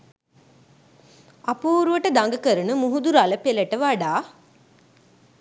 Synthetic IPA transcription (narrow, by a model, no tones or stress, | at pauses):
apuːɾuʋəʈəd̪aŋɡəkəɾənəmuɦud̪uɾaləpeləʈəʋaɖaː